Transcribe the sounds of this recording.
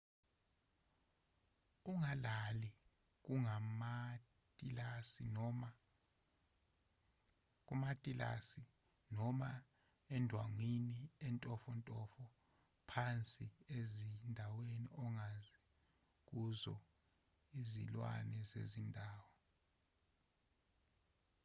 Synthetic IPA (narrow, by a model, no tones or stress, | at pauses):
uŋalali | k̬uŋama | tʼilasin | k̬ʼumatʼila̰si | nɔma | ɛndʱwaŋiniɛntʼɔfɔntʼɔfɔ | pʰant͡sʼiezindʱawenḭʔɔŋazɛ | k̬uzɔ̰ | izḭlwa̰nɛzḛzindʱaːwɔ